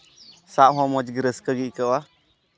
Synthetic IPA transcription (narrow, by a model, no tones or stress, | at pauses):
saʔɦɔ̃mɔd͡ʒɡəɾəskəɡiʔkəwa